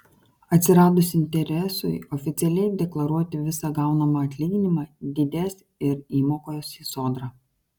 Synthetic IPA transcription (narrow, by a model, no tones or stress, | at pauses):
ɐt̪ʲsʲɪɾɑːd̪ʊsɪnʲt̪ʲɛɾʲɛsʊɪɔfʲɪt̪sʲɛlʲɛɪd̪ʲɛklˠɐɾuɔt̪ʲɪʋʲɪsɑɡɑˑʊnɐmɐɐt̪ʲlʲiːɡʲɪnʲɪmɑːd̪ʲɪd̪ʲæːsʲ | ɪɾiːmoːkoːjoːsiːsoːd̪ɾɑ